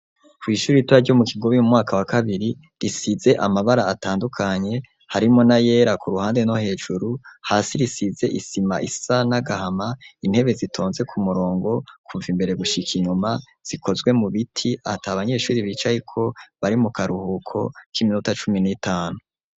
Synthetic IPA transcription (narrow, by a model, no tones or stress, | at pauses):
kwiːʃuːɾituaɾɟo̞mukʰiɡo̞βimumŋaːkʰawakʰaβiɾi | ɾisize̞ʔamaβaɾaːtaːndukʰaɲe̞ | haɾimo̞naje̞ːɾakuɾuhaːndeno̞he̞ːd͡ʒuɾuhaːsiɾisize̞ʔisima̰ʔisanaɡahamain̥he̞βe̞zitʰo̞ːnze̞kʰumuɾo̞ːŋɡo̞kʰuɱvimbe̞ɾe̞ɡuʃikʰiɲuma | z̥ikʰo̞zɡwe̞muβitʰiataaβaɲe̞ːʃuːɾiβiːt͡ʃajikʰo̞βaɾimukaɾuhukʰo̞̰kiminutat͡ʃuminitʰaːnu